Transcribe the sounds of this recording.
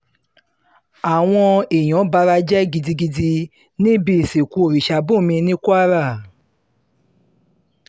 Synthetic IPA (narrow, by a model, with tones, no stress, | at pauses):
a˨w̃ɔ̃˧e˨j̃ɔ̃˨˦ba˧˦ɾa˧d͡ʒɛ˦ɡi˧di˧ɡi˧di˧ | nĩ˦bi˧˨se˨ku˧˦o˦˨ɾi˨ʃa˧˦bo˦˨mĩ˧nĩ˦ku˦a˦ɾa˦˨